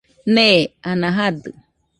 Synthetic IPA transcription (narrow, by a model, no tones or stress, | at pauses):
neanãɦad̪ɨ̰